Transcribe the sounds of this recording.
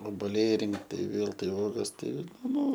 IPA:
oːboːˈlʲɛɪ ˈrʲɪŋkt tɐɪ ˈʋʲeːlˠ ˈtɐɪ ˈuɔɡɐs ˈtɐɪ ˈnʊ

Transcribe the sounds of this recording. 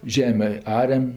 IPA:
ˈʒʲæːmʲeː ˈɑːrʲɛm

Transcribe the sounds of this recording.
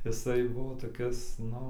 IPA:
jɪˈsɐɪ ˈbʊʋoː toːˈkʲɪs ˈnʊ

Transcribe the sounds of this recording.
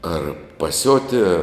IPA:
ˈɐr pɐˈsʲoːtʲiɛ

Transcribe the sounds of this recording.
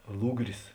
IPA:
ˈlˠʊɡrʲɪs

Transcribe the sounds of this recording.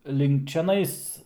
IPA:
lʲɪŋk t͡ʃʲɛˈnɐɪs

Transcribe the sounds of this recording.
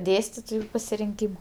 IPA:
ˈdʲeːsʲtʲɪtoːjʊ pɐsʲɪrʲɪŋʲˈkʲiːmɐ

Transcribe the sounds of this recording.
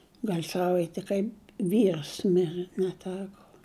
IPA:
ˈɡɐlʲ ˈsɑːʋɐɪtʲɪ kɐɪp ˈʋʲiːrs ˈmʲɪrʲɛ nʲɛˈtʲæːkoː

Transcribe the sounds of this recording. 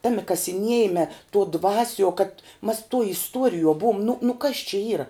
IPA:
ˈtɑːmʲɪ kɐsʲɪˈnʲiɛjɪmʲɛ tuɔ ˈdʋɑːsʲuɔ kɐt mɐs tuɔ ɪsˈtuɔrʲɪjuɔ ˈbuɔm nʊ nʊ kɐs t͡ʃʲɛ ˈiːrɐ

